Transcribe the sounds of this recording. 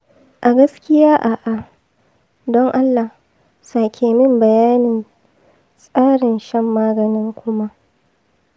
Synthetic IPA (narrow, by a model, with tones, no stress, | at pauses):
ʔa˨ɡɐ˦skʲɪ˦jaː˦ʔa˨ʔa˨ | dɔ˦ŋʔa˦lːa˨ | saː˨kʲʰeː˨mɪ˦mbɐ˨jaː˦nɪ˨n | sʼaː˦ɽɪ˨nʃɛ˦mːaː˦ɡɐ˨nɪ˦ŋkʷʊ˦ma˦ʔ